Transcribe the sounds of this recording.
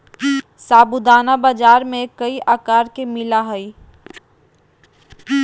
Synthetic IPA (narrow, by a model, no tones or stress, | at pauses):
saːbud̪aːnabaːd͡ʒaːɾmẽkəiʔaːkaːɾkemɪlaɦɐi